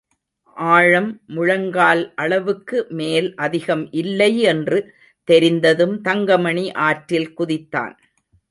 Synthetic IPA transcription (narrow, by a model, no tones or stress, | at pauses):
ʔaːɻɐmːʊɻɐŋɡaːlʔɐɭɐʋɯkːɯmeːlʔɐðɪɣɐmʔɪlːɐɪɛndrɯ | t̪ɛɾɪnd̪ɐðɯmt̪ɐŋɡɐmɐɳiʔaːʈɾɪlkʊðɪt̪ːa̰ːn